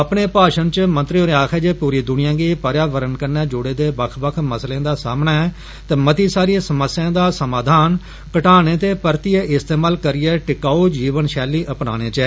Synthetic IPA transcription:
əpɳeːpaːʃənt͡ʃmə̃nt̪ɾioːɾeaːkʰɛːd͡ʒeːpuːɾiːd̪ʊnɪjãːɡiːpəɾjaːʋəɾənkəɾnɛːd͡ʒʊɽeːd̪eːbəkʰbəkʰməslẽːd̪aːsa̰ːmnaːɛ | t̪ɛːmət̪iːsaːɾiesəməsɪjãːd̪aːsəmaːd̪ʱaːn | kəʈaːnẽːt̪eːpəɾt̪ieːʔɪst̪eːmaːlkəɾɪɛːʈɪkaːoːd͡ʒiːʋənʃɛːliːʔəpna̰ːɽ̃ẽːt͡ʃɛː

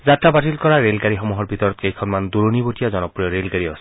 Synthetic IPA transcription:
zatɹabatilkɔɹaɹelɡaɹixɔmuɦɔɹbʱit̪ɔɹɔt̪̚kejkʰɔnmand̪uɹonibotijazɔnɔpɹijɔɹelɡaɹiɔ̰s

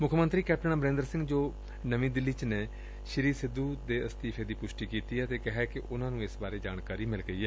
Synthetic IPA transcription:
mʊkʰmənt̪ɾiːkɛːp̚ʈəɳãːbəɾẽːnd̪əɾsɪ̃ŋɡd͡ʒoː | nəʋĩːd̪ɪlːiːt͡ʃneː | ʃɪɾiːsɪd̪uːd̪eːəst̪iːpʰeːd̪iːpʊʃʈiːkiːt̪iːɛːt̪eːkɪɦɛkɪʔʊnãːnũːɪsbaːɾeːd͡ʒa̰ːnkaːɾiːmɪlɡəiːɦɛː

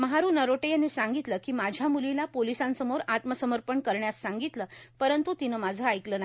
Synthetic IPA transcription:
məɦaɾuːnəɾoʈejanesãŋɡit̪ləːkiːmad͡ʑʱjamulilapolisãnsəmoɾat̪məsəməɾpəɳkəɾɳjasːaŋɡit̪ləːpəɾənt̪ut̪inəːmad͡zʱəajkləːna

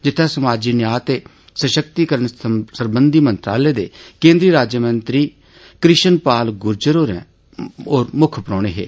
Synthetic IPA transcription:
d͡ʒɪt̪ʰːɛ̃ːsəmaːd͡ʒiːnɪjaːt̪eː | səʃəkt̪iːkəɾəɳsəɾbənd̪iːmə̃nt̪ɾaːleːd̪eːkẽːnd̪ɾiːɾaːd͡ʒəmənt̪ɾiː | kɾɪʃənpaːlɡʊɾd͡ʒəɾoːɾɛ̃ː | oːɾmʊkʰpəɾɔːɽ̃eːɦḛː

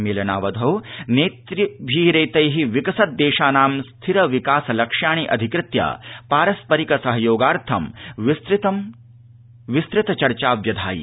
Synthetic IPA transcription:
meːlɐnaːʋɐd̪ʱoːneːt̪ɾibʱiːɾɐjt̪ɐjɦiʋikɐsɐt̪̚d̪eːʃaːnaːmst̪ʰiɾɐʋikaːsɐlɐkʂaːɳ̃iʔɐ̰d̪ʱikɾɪt̪ja̰ːpaːɾɐspɐɾikɐsɐɦɐjoːɡaːɾt̪ʰɐmʋist̪ɾt̪ɐm | ʋist̪ɾɪt̪ɐt͡ʃɐɾt͡ʃaːʋjɐd̪ʱaːjḭ

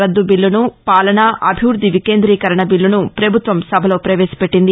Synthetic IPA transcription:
ɐd̪ːubilːunupaːlɐɳaʔɐbʱiʋɾud̪ʱːiʋikeːnd̪ɾiːkɐɾɐɳɐbilːunupɾɐbʱut̪ʋɐmsɐbʱɐlo̞ːpɾɐʋeːsɐ̥peʈːind̪i

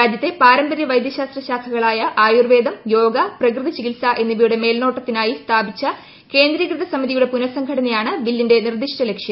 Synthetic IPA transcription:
aːd͡ʑjɐt̪ːe̞paːɾɐmbɐɾjɐʋɐjd̪jɐɕaːst̪rɐɕaːk̪ʰɐɣɐɭaːjɐʔaːjurʋe̞ːd̪ɐmjo̞ːɡɐprɐkrɨðɐt͡ɕikilsaʔe̞nːiʋɐjuɽe̞me̞ːlno̞ːʈːɐt̪ːinaːjist̪ʰaːbit͡ɕːɐ | ke̞ːnd̪ɾikrɨðɐsɐmiðijuɽe̞punɐsɐŋɡʰʱɐɽɐnijaːɳɨʋilːinde̞nird̪iʂʈɐle̞kʂjɐ

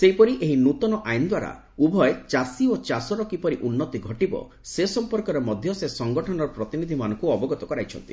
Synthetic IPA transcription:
seipɔɾiʔeɦinut̪ɔnɔʔajnd̪waɾa̰ | ubʱɔet͡ʃasiot͡ʃasɔɾɔkipɔɾiʔunːɔt̪iɡʱɔʈibɔ̰ | sesɔmpɔɾkɔɾemɔd̪ʱjɔsesɔŋɡɔʈʰɔnɔɾɔpɾɔt̪inid̪ʱimanɔŋkuɔbɔɡɔt̪ɔkɔɾajt͡ʃʰɔ̰nt̪i̥

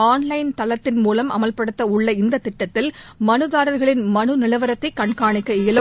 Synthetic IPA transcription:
aːnlɐɪnt̪ɐlɐt̪ːɪnmuːlɐmʔɐ̰mɐlpɐɽɯt̪ːɐʊɭːɐɪnd̪ɐt̪ːɪʈːɐt̪ːɪlmɐnɯðaːɾɐɾɣɐɭɪnmɐnɯnɪlɐʋɐɾɐt̪ːɐɪkːɐɳkaːɳɪkːɐɪlɯ

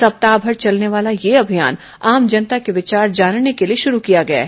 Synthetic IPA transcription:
sɐp̚t̪aːbʱɐɾt͡ʃɐlneʋaːlajeɐbʱijaːn | aːmd͡ʒɐnt̪akeʋɪt͡ʃaːɾd͡ʒaːnnekelieʃʊɾukijaɡɐja̰ː

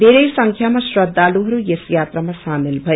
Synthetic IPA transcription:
d̪ʱeɾʌjsʌŋkʰjamasrʌd̪ʱːaluɦʌɾujesjat̪ramasamilbʱʌ

